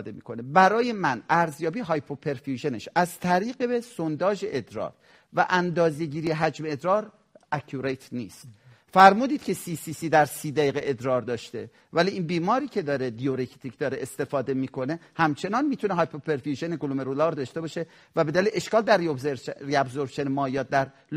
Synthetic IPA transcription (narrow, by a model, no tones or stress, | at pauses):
d̪emḭːkʰone̞bæɾɒːje̞mænæɾzjɒːbiːɦɒjpʰopʰeɾfjuʒe̞ne̞̰ʃæzt̪ʰæɾiːɣeesond̪ɒːʒe̞ʔed̪ɾɒ̰ːɾ | væʔænd̪ɒːzeɟiːɾieɦæd͡ʒmeːd̪ɾɒːɾ | ʔækʰuɾet̪ʰnḭːst̪ | fæɾmuːd̪iːd̪̥kʲʰe̞siːsisiːd̪æɾsiːd̪æjiɣeʔed̪ɾɒːɾd̪ɒːʃt̪e̞̰ | væliiːnbiːmɒːɾiːcʰe̞d̪ɒːɾed̪ijoɾekʰt̪ʰikʰd̪ɒːɾeʔest̪e̞fɒːd̪emiːkʰo̞ne̞hæmt͡ʃʰe̞nɒnmiːt̪ʰuneɦɒjpʰopʰeɾfjuʒeneɡolumeɾolɒːɾd̪ɒʃt̪e̞bɒːʃe | væbe̞d̪æliʔeʃkɒːld̪æɾːiobzeɾɾiæbzoɾʃenemɒːjɒːt̪̚d̪æɾ